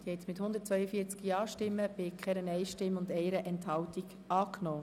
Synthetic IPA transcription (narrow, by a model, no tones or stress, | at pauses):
d̪̥iəhɛtmɪthʊnd̪ət̚t͡sʋœʏəfiːət͡skiɑːʃtɪmːəb̥ɪkχɛɾənɛɪʃtɪmːʊndɛɪɾəʔɛnthɑwtiɡ | ɑːknoː